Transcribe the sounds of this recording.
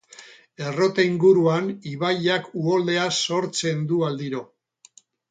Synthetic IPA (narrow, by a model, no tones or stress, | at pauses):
e̞ro̞t̪eiŋɡuɾuaniβaʎakuo̞ld̪e̞aso̞ɾt͡se̞nd̪uald̪iɾo